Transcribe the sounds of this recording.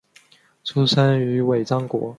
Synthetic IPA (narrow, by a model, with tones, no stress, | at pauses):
ʈ͡ʂʰu˥ʂə˥ny˧˥we˨˩ɪt͡sɑ˥ŋkwɔ̰˧˥